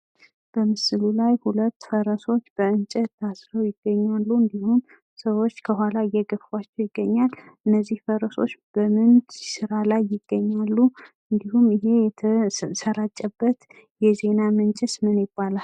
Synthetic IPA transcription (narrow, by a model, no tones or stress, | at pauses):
b̥əmɨsɨlulajhulət̪ːfəɾəso̞t͡ʃːb̥əɨnt͡ʃʼɛt̪ʰːasɾəwjɪɡ̥ːəɲːalːuɨnd̪ihum | səwo̞t͡ʃːkʰəɦʷwalaɨjːɛɡəfwat͡ʃːɛwjɪɡːəɲːalɨnːəzːihfəɾəso̞̰t͡ʃːb̥əmɨnt͡ʃsɨɾalajːɪɡ̥ːəɲːalːu | ɨnd̪ihumɨɦe̞səɾat͡ʃʼːɛbːət̪ | jɛze̞namɨnt͡ʃʼɪsmɨnjɪbːalal